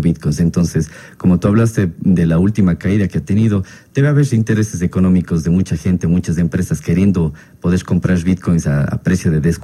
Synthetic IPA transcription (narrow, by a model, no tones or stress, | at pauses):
βit̪̚kojnse̞nt̪o̞nses | ko̞mo̞t̪uaβlast̪ed̪elault̪imakaiðakeat̪e̞niðo̞ | d̪̥eβeaβeɾsint̪e̞ɾe̞ses̬e̞ko̞no̞mikozðe̞mut͡ʃaxe̞nt̪e̞mut͡ʃazempɾesaske̞ɾje̞nd̪o̞ | po̞ðeɾko̞mpɾaɾβit̪kojnsaa̰pɾesjo̞ðe̞ðes